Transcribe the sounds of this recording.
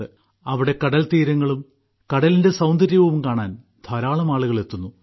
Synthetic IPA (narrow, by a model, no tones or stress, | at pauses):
ɨ | ɐʋiɽe̞kɐɽɐlt̪iːɾɐŋːɐɭum | kɐɽɐlinde̞sɐwnd̪ɐɾjɐʋɐʋumkaːɳaːn | d̪ʱɐɾaːɭɐmaːɭuɣɐɭe̞t̪ːunːu